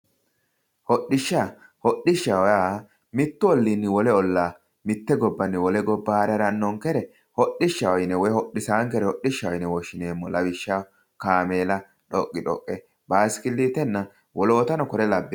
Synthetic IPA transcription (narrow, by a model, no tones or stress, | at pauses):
hɔɗːɪʃːaːhɔɗɪʃːɐwɔjaː | mɪt̪ːʊɔlːinːɪwɔlɛɔlːaː | mɪt̪ːɛɡɔbːɐnːɪwɔlɛɡɔbːaːɾɛɾɐnːɔŋkɛɾɛ | hɔɗɪʃːɐwɔjnɛwɔjhɔɗːɪsaːŋkɛɾɛhɔɗɪʃːɐwɔjnɛwɔʃːɪneːmːɔlɐwɪʃːa | kaːmeːlɐ | ᶑɔkʼːɪᶑɔ̰kʼːɛ | baːskɪlːiːt̪ɛnːɐ | wɔlo̞ːt̪ɐnɔkɔɾɛlɐbːɛ